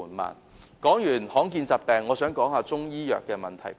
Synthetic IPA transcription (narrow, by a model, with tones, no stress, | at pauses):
nma̰ː˨˩n | kɔː˨˥ŋjyː˨˩nhɔː˨˥ŋkiː˧nt͡saː˨˩t̚pɛː˨˧ŋːɔː˨˧sœː˨˥ŋkɔː˨˥ŋhaː˧t͡sʊ˥ŋjiː˥jœ̰ː˨kːɛː˧mɐ˨nt̪ʰɐ̰˨˩j